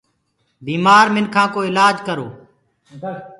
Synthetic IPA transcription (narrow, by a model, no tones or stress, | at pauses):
biːmaːɾmɪnkʰãːkoːɪlaːd͡ʒkəɾoː